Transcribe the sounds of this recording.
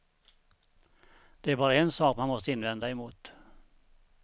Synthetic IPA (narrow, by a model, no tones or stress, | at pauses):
d̪̥ɛæɾbɑːɾaɛnsɑːkmanmɔst̪əɪnːvɛnd̪aɛmuːt̪